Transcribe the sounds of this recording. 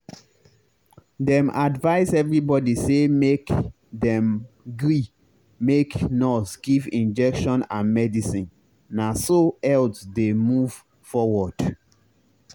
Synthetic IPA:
dɛ̃mʔadvaɪsɛvɹibɔdisemek | dɛ̃m | ɡɹi | meknɔsɡivĩnd͡ʒɛkʃɔ̃nãnmɛdisĩnː | asoɛltdemuv̥ | fɔwɔd̥

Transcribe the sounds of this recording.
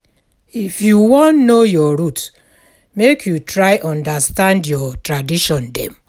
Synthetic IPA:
ifjuwɔ̃nnojɔɹut | mekʰjutʰɹaɪʔɔ̃ndastãndjɔtɹadiʃɔ̃ndɛ̰̃m

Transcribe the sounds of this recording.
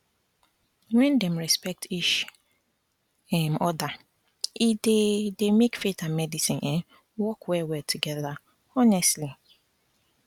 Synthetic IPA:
wɛ̃ndem̩ɾɛspɛk̚tʰiʃ | ɛmɔda | idedemekfetamɛdisĩnʔɛ | wɔkwɛwɛtʰuɡɛða | ɔnɛstli

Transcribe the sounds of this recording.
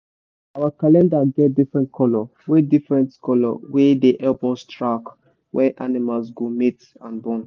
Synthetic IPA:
awakalɛ̃ndaɡɛt̚difɹɛ̃ntkʰɔlɔwedifɹɛ̃ntkɔlɔ̰wedeʔɛlbɔ̃stɹak | wɛʔanimals̬ɡomit | ãnbɔ̃n

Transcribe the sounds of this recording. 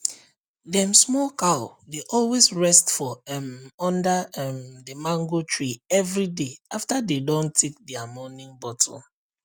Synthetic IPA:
dɛ̃msmɔkaʊdeʔɔlwesɹɛstfɔmɔ̃ndamdəmãŋɡotʰɹiɛvɹideaftadedɔ̃ntʰek̚dɛamɔnɪ̃ŋbɔtʰl̩

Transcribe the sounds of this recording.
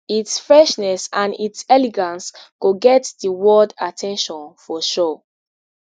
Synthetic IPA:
itsfɹɛʃnɛsãnitsɛliɡãnskoɡɛtðiwɔdatʰɛ̃nʃɔ̃nfɔʃo

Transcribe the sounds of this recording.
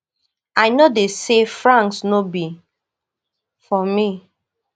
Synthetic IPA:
aɪnodesefɹãŋksnobi | fɔmi

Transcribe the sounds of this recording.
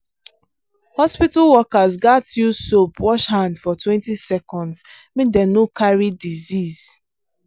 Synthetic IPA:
hɔspitalwɔkazɡatjusopwɔʃhãndfɔtʰwɛ̃ntisɛkɔ̃ndz | mĩdɛnokʰaɹidiziz̥

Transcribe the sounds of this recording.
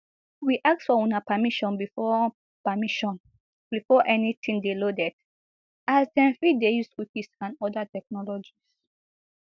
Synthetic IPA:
wiʔak̚tfɔɔ̃napamiʃɔ̃nbifɔ | pamiʃɔ̃n | bifɔʔɛnitʰĩŋdelodɛd | asdɛ̃nθɹidejuswikisãnɔdatɛk̚nɔlɔd͡ʒis

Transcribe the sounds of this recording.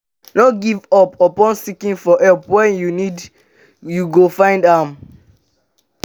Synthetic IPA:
nɔɡivɔpɔpɔ̃nsikĩŋfɔʔɛpwɛ̃njunid | juɡofãɪ̃ndãm

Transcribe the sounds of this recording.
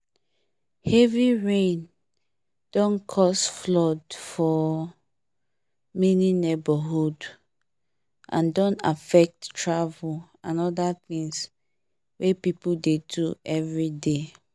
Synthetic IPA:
hɛviɹẽn | d̥ɔ̃nkʰɔsflɔdfɔ | mɛninebaɦud | ʔã̰ndɔ̃na̰fɛk̚ttɹavu | ãnɔdat̪ĩŋs | wepipudeduɛvɹide

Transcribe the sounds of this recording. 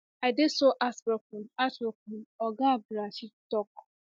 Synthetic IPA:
aɪdesoʔasbɔk̚unatbɔkunɔɡabɾaʃitɔk

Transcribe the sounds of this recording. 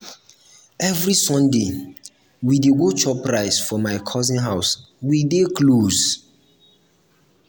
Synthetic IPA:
ɛvɾisɔ̃nde | wideɡot͡ʃɔpɾaɪsfɔmaɪkʰɔzĩnɦaʊs | widekloz

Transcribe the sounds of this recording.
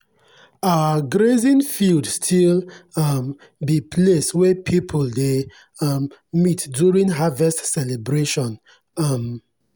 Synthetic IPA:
aɡɹezĩnfildstʰilam | bipʰleswɛpʰipʰulde | mitdjuɹĩnɦavɛstsɛlebɹeʃɔ̃n | m

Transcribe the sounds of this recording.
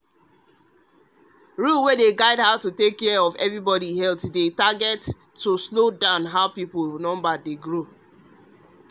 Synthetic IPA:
ɹumwedeɡaɪdɦaʊtutekːɛɔvɛvɹibɔɾihɛltdetaɡɛtː | uslodãʊ̃nɦaʊpipulnɔ̃mbadeɡɹo

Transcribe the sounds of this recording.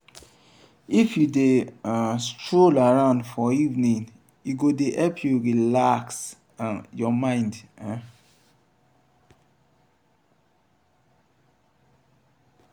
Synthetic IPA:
ifjudeãstɹolaɹãʊ̃ndfɔivnĩn | juɡodeʔɛlpʰjuɹilaks | ajɔmãɪ̃ndã

